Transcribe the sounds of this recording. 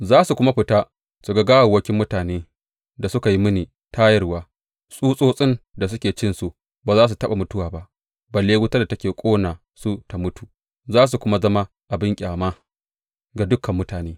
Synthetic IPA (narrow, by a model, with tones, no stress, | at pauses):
zaː˦su˨kʷʊ˦ma˦ɸɪ˨ta˦ | su˨ɡa˦ɡaː˦wa˨wɐ˦kʲɪ˦mːʊ˦taː˨neː˦ | da˨sʊ˦ka˨ji˦mɪ˦niː˨ | tʰa˦jɐ˦rwaː˦ | sʼuː˦sʼoː˦sʼɪ˦nda˨s̬ʊ˦kʲeː˨t͡ʃɪ˦nsu˨ | baː˨zaː˦s̬u˨tɐ˦ɓa˨mʊ˦tʊ˦waː˨ba˦ʔ | ba˨leː˦wʊ˦ta˦da˨tɐ˦kʲeː˨kʷʼoː˦naː˨ | su˦ta˨mʊ˦tu˨ | zaː˦s̬u˨kʷʊ˦ma˦zɐ˦ma˦ | ʔa˨bɪ˦ŋkʲʼaː˨ma˦ | ɡa˨dʊ˦kʰɐ˨mːʊ˦taː˨neː˦